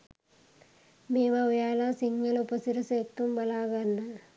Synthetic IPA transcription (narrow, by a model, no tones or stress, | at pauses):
meːʋaʋɐjaːlaːsiŋɡɐlupɐsiɾɐsek̚t̪umbɐlaːɣɐnːɐ